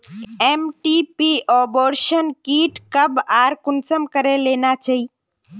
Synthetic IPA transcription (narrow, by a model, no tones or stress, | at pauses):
ɛːmʈiːpiːʔɔːboːɾʃənkiːʈkəbaːɾkʊnsəmkəɾeleːnat͡ʃaɦiː